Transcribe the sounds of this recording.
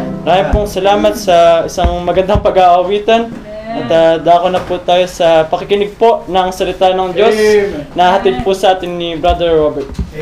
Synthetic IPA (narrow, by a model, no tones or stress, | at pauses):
mɐɾaːjɪnpoŋsɐlaːmɐt̪sɐʔɪsaŋmɐɡɐnd̪ɐŋpɐɡaʔɐwiːt̪ɐn | ʔɐt̪ad̪aːkonɐput̪aːjo̞sɐpɐkɪkɪnɪɡ̚po̞nɐŋsɐlɪt̪aːnɐŋd͡ʒjo̞snɐahɐt̪id̪̚pusɐʔaːt̪ɪnːibɾad̪ɛɹːobɛɹt̪̚